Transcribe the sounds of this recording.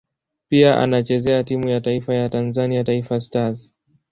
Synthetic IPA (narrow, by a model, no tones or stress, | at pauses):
piaʔa̰nat͡ʃɛzɛatimujataifajatanzaniataifastaz